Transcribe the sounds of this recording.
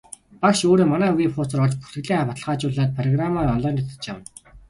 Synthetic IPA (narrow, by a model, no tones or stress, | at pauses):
pakʃoːɾeːmanæːuɣiːχʊːt͡sə̆rɔɮt͡ɕpu̥t̪ɘ̆ɣɮiːŋapat̪ɮ̆ʁaːt͡ɕʊːɮaːt̪̚pʰrɔɣramarɔnɮɔːnɔt̪ə̥̆t͡ɕjam